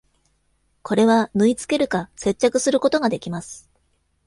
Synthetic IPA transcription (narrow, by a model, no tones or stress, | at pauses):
kʰo̞ɾe̞βanɯ̟it͡sɨ̥ke̞ɾɯ̟kase̞t͡ɕːakɯ̟sɨɾɯko̞t̪o̞ɡad̪e̞kʲimasɨ̥